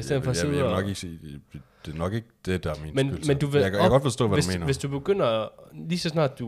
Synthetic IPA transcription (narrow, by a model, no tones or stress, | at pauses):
isdeð̰ˠnfɒenɒɡ̥eɡ̥sḛ̥d̥enɒ̽ɡ̥e̝ɡ̥əd̥ed̥ɑminmenmend̥uʋkʰæɡɒ̽d̥fɒsd̥ɔ̰ːʋæe̝smḛːnʋe̝sd̥ub̥e̝ɡ̥øn̰ɐliːsɒ̽s̬nɑ̰̈ːd̥d̥u